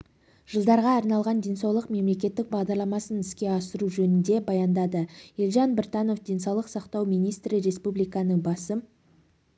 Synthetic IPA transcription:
ʒ̥əlˠd̪ɑɾʁɑɑɾnɑlˠʁɑnd̪e̞nsɑwlˠəqme̞mle̞kʲe̞t̪ːɪk̚bɑʁd̪ɑɾlˠɑmɑsənɪskʲe̞ɑsəɾuʒɵnɪnd̪e̞bɑjɑnd̪ɑd̪əjelˠʒɑnbɪɾt̪ɑno̞fd̪ʲe̞nsɑwlˠəqsɑqt̪ɑwmijnijst̪ɾɪɾe̞spublijkɑnəŋbɑsəm

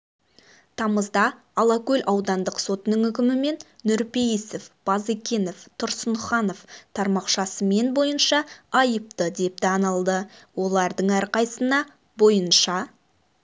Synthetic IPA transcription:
t̪ʰɑməzd̪ɑ | ɑlˠɑkʲɵlʲʔɑwd̪ɑnd̪əqso̞t̪ənəɴʏk̬ʲɪmɪme̞nːʏɾpejisefb̥ɑzekʲe̞no̞ft̪ʰʊɾsənχɑno̞ft̪ʰɑɾmɑqʃɑsəme̞nbo̞jənʃɑɑjəp̚t̪əd̪e̞p̚t̪ɪɑnɑlˠd̪əwo̞lˠɑɾd̪əɴæɾqɑjsənɑ | bo̞jənʃɑ

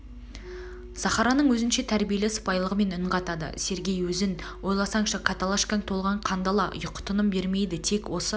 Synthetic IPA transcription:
sɑχɑɾɑnəɴwɵzɪnʃe̞t̪ʰæɾbije̞lɪsə̥pɑjlˠəʁəme̞nʏɴʁɑt̪ɑd̪ə̰se̞ɾɡʲe̞jwɵzɪn | wo̞jlˠɑsɑɴʃɑkʰat̪alˠaʃkaŋt̪ʰo̞lˠʁɑɴqʰɑnd̪ɑlˠɑjʊqt̪ʰənəmbe̞ɾme̞jd̪ɪt̪ʰe̞kwo̞sə

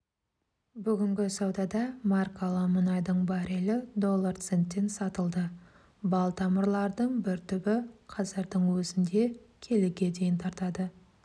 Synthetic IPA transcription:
bʏɡʲɪŋɡʲɪsɑwd̪ɑd̪ɑmɑrkalˠəmənɑjd̪əɴbɑɾelɪd̪o̞lˠːart̪se̞nt̪ːe̞nsɑt̪əlˠd̪ə | bɑlˠt̪ʰɑməɾlˠɑɾd̪əɴbɪɾt̪ʰʏbɪqʰɑzəɾd̪əɴwɵzɪnd̪e̞kʲʰe̞lɪɡʲe̞d̪e̞jɪnt̪ʰɑɾt̪ɑd̪ə

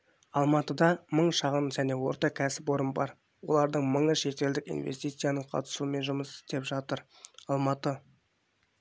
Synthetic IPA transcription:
ɑlˠmɑt̪əd̪ɑməɴʃɑʁənʒæne̞wo̞ɾt̪ɑkʲʰæsɪpo̞ɾəmbɑɾ | wo̞̰lˠɑɾd̪əɴməɴəʃe̞t̪e̞ld̪ɪkḭnvḛst̪ijt̪sɨjanəɴqʰɑ̰t̪ə̥suəme̞nʒʊməsɪ̥st̪e̞pʒɑt̪əɾ | ɑlˠmɑt̪ə

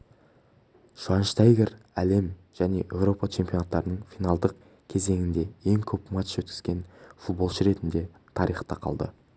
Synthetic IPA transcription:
ʒ̥ɑnʃt̪ɑjɡʲeɾæle̞mʒ̥æne̞̰ʔe̞wɾo̞pɑt͡ʃʰe̞mpʲjo̞nɑt̪ːɑɾənəɴfijnɑlˠd̪əq̚ | kʲʰe̞ze̞ŋɪnd̪e̞e̞ŋkʲʰɵpmɑt̪ə̥ʃwɵt̪kʲɪ̥z̥ɡʲe̞nfut̪̚bo̞lˠʃəɾe̞t̪ɪnd̪e̞ | t̪ʰɑɾijχt̪ɑqʰɑ̰lˠd̪ə̰

